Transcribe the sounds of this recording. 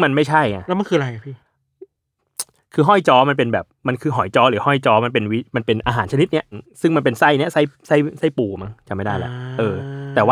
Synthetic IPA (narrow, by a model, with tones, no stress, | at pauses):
ma˧nma˥˩jt͡ɕʰa˥˩jŋa˧˩lɛ˦˥ma˧˨nkʰɯː˧a˧ɾa˧jka˨˩pʰiː˥˩ | kʰɯː˧ɦɔ˥˩jt͡ɕɔː˧˥ma˧np̬e˧nbɛː˨˩p̚ma˧nkʰɯː˧ɦɔ˨˩˦jt͡ɕɔː˦˥ɾɯː˩˦hɔ˥˩jt͡ɕɔː˦˥ma˧np̬e˧nwi˦˥ma˧npe˧nʔaː˧ɦaː˩˦nt͡ɕʰa˧ni˦˥t̪̚ni˦˥ɐsɯ˥˩ŋma˧npe˧nsa˥˩jni˦˥ɐsa˥˩jsa˥˩jsa˥˩jpuː˨˩ma˦˥˩ŋt͡ɕa˨˩ma˥˩jda˥˩jlɛ˦˥ʔʔɤː˧t̪ɛː˨˩waː˥˩